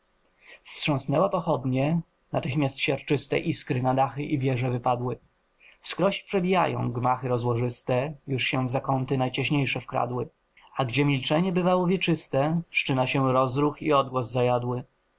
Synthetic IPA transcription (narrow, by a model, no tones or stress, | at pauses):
fstʂɔ̃snɛwapɔxɔd̪ɲɛ | nat̪ɘxmʲjast̪ɕaɾt͡ʂɘst̪ɛ̰ʔiskɾɘnad̪axɘʔivʲjɛʐɛvɘpad̪wɘ | fskɾɔɕpʂɛbʲija̰jɔ̰̃w̃ɡmaxɘɾɔzwɔʐɘst̪ɛjuʂɕɛzakɔnt̪ɘnajt͡ɕɛɕɲejʂɛfkɾa̰d̪wɘ | aɡd͡ʑɛmʲilt͡ʂɛɲɛbɘvawɔvʲjɛt͡ʂɘst̪ɛfʂt͡ʂɘnaɕɛɾɔzɾuxḭɔd̪̚ɡwɔzːajad̪wɘ